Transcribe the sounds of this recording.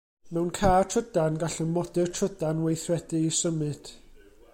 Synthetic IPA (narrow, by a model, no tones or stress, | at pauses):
mɛwnkʰaːtʰrədanɡaɬənmɔdɨrtʰədanwejθrɛdɨisəmɨd̥